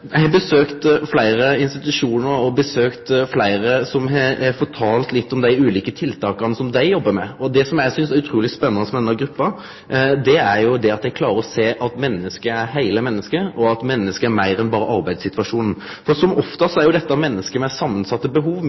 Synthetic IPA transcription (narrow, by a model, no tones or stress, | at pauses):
æɪɑbəsøːkt̪flæɪɾəɪnst̪ɪt̪ʉʂuːnəɾɔbəsøːkt̪flæɪɾəsɔmɛfɔt̪ʰɑːlt̪lɪt̪ːɔmd̪æɪʉːliːkət̪ʰɪlt̪ʰɑːkɑnəsɔmd̪æɪjɔbːəmɛɔd̪ɛsɔmjæɪsʏnsæɾʉt̪ʰɾuːlɪspɛnːɑnəsɔmɛnːɑɡɾʉpːɑ | d̪ɛæɾjʊd̪ɛɑt̪d̪ɛɪkʰlɑːɾəɔseːʔɑt̪mɛnːəskəæɾɦæɪləmɛnːəskəʔɔɑt̪mɛnːəskəæɾmæɪɾɛnbɑːɾəʔɑɾbæɪd̪sɪt̪ʋɑʂuːnn̩ | fɔɾsɔmɔft̪əsɔæɾjʊd̪ɛt̪ːɑmɛnːəskəmɛsɑmːənsɑt̪ːəbəɦuːʋ